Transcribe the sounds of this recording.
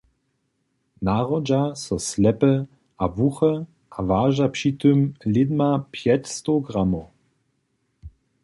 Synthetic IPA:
naʁɔd͡ʒasɔslɛpə | ʔavuxə | ʔavaːʒapʂit̪ømlɪd̪mapʰjɛtstoɡʁamo

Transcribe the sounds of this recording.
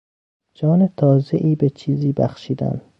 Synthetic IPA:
d͡ʒɒːnet̪ʰɒːzeʔiːbet͡ʃʰiːziːbæxʃiːd̪æ̰nd̪

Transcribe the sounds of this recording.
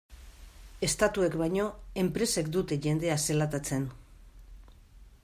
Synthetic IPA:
e̞st̪at̪ue̞kβajɲo̞e̞mpɾe̞sek̚d̪ut̪e̞ʝe̞nd̪e̞ase̞lat̪at͡se̞n

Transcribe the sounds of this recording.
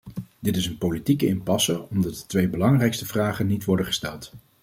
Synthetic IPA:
dɪtɪsənpolitikəɪnpɑsərɔmdɑt̚də̥tʋejbəlɑŋrɛjkstəvraːχənːitʋɔɹdəχə̥stɛlˠt

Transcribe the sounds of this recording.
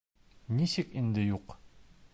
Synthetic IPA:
niɕɘkind̪ɘjuq

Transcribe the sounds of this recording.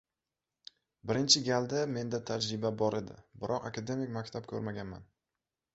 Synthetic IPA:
bɪɾɪnt͡ʃʰɪɡʲalˠd̪ame̞nd̪at̪ʰad͡ʒɾɪbabɒɾe̞d̪ɪ̰bɪɾʔɒqakʰad̪e̞mɪkʲmakʲt̪ʰapkʲʰɵɾmaɡʲanma̰n

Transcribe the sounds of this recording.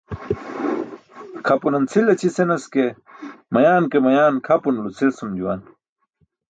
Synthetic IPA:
kʰɐpunɐnt͡sʰilɐt͡ɕʰisenɐske | mɐjaːnkemɐjaːnkʰɐpunulut͡sʰilsumd͡ʑuwa̰ːn

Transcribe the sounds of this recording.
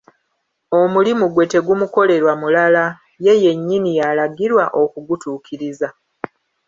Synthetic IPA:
o̞mulimuɡwe̞te̞ɡumuko̞le̞ɾwamulala | je̞je̞ɲːinijalaɡiɾwaʔo̞kuɡutuːkʰiɾiza

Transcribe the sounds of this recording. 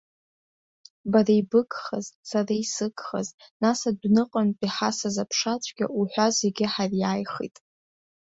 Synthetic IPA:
baraibɨkʼχa̰zsaraisɨkʼχa̰znasadʷnɨqʼanpʼiħasazapʰʂat͡ɕʷʰʼɡʲa̰ʔuħʷᶣazeɡʲɪħarjaːjχḭtʼ

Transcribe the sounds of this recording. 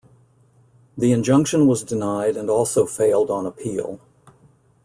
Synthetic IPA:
ðiɨ̃nd͡ʒʌ̃ŋkʃɨ̃nwʌzdɨnaɪɾɨ̃nɔlˠsoʊfeɪlˠdn̩əpʰḭlˠ

